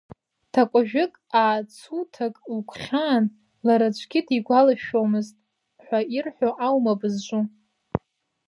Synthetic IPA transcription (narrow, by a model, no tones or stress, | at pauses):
tʰakʷʼaʒᶣɪkʼaːt͡sʰutʰakʼlkʷʰχʲaːn | laɾat͡ʃʷʰʼɡʲɪdiɡʷalaʃᶣomɨztʼ | ħʷairħʷoʔawmabɨzʒʷʼu